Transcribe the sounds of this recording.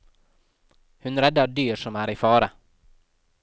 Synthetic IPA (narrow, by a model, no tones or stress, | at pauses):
hʉnɾɛd̪ːɑd̪yːɾʂɔmæːɾɪfɑːɾə